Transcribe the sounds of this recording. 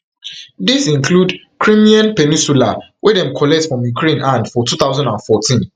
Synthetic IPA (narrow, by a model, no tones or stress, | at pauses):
disĩŋkʰlud | kʰɹĩmiãnpɛnĩnsula | wʔedɛ̃mkʰɔlɛtfɹɔ̃mjukʰɹẽnãndfɔtuθaʊzãndãnfɔtʰĩn